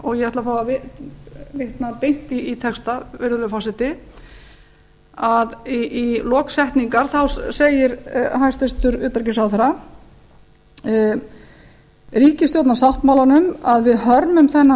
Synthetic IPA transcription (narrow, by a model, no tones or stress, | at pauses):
ɔɣjɛhɛht̪lafaːwvavɪ | veht̪napejn̥t̪iːt̪ʰɛkst̪avɛɾðʏlʏfaːsɪt̪ɪ | aðiʔilɔːksɛht̪niŋkaɾ̥θawsejɪɾɦajst̪ɛst̪ʏɾʏːt̪ɾcɪsawθɛɾa | ɾiːcɪst̪jowt̪nasawht̪mawlanʏmaðvɪðhœɾmʏmθɛnːa